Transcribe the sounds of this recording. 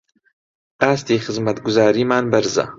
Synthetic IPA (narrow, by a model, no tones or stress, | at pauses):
ʔaːst̪iːxɨzmɐt̪ɡʊzaːɾiːmaːnbɐɾzɐ̰